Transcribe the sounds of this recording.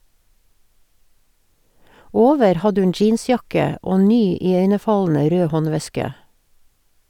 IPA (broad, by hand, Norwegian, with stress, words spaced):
ˈoːʋəɾ ˈhɑdə ˈʉn ˈd͡ʒiːnˌsjɑkə ˈoː ˈnyː ɪˈœʏnəˌfɑln̩ə ˈɾøː ˈhɔnˌʋɛskə